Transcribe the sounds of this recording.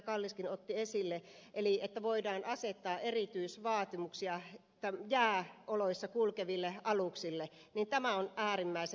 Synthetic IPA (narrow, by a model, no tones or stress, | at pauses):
kɑlːiskinot̪ːiesilːeʔeliet̪ːæʋoidɑːnʔɑset̪ːɑːʔerit̪yisʋɑːt̪imuksiɑet̪ːæjæːʔoloisːɑkulkeʋilːeʔɑluksilːenint̪æmæonʔæːrimːæise